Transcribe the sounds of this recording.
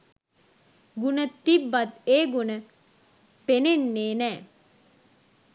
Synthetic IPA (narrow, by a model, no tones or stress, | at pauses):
ɡunət̪ibːat̪eːɡunə | penenːeːnɛː